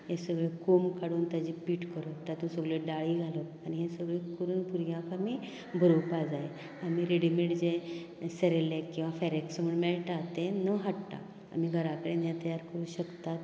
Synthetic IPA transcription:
jesəɡɭekomkaɽuːnt̪ad͡ʑiːpiːʈkəɾot̪at̪ũsəɡɭeɖaɭiːɡʱalə | aniɦesəɡɭekəɾuːnpuɾjãkamiː | bʱəɾupad͡zaj | amiːɾeɽimiʈd͡ze | səɾelekĩw̃ʋafɛɾeksməɳmelʈat̪enəɦaʈt̪a̰ | a̰miːɡʱəɾakəɽenjat̪əjaɾkəɾuːɕəkt̪at̪

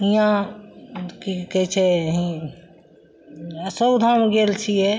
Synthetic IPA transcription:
ijã | kikɛt͡ʃʰeɦĩ | səd̪ʱamɡelt͡ʃʰije

